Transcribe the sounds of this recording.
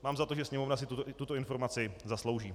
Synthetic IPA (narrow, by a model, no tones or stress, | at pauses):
maːmzat̪oʒɛsɲɛmovnasɪt̪ut̪ut̪oɪnfo̞ɾmat͡sɪzaslowʒiː